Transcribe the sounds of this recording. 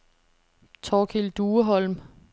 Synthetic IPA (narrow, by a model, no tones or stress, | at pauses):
t͡sʰɒːkʰild̥uːəɦɒ̽lm